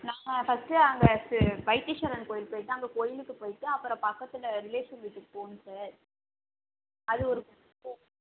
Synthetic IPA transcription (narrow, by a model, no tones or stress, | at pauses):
naːŋɐfɐsʈɯɐŋɡɐsʋɐɪʈ̪ːɪʂɐɾɐnkoːjɪlpoːjɪʈːɯɐŋɡɐkoːjɪlɯkːɯpoːjɪʈ̪ːɯɐpːɯɾɐ̃pɐkːɐt̪ːɪlɐɾɪleːʂɐnʋɪʈːɯkɯpːoːnɯsaːɾ | ɐðɯɔɾɯkʊʈː | pːõː